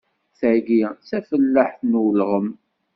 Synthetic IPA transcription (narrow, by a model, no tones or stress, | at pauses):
θʕɡisæfəlːaħθnwlʁəm